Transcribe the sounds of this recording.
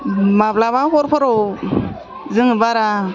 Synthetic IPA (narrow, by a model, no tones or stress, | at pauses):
mablaβakɔɾpʰɔɾɔ | zɯŋɯbaɾa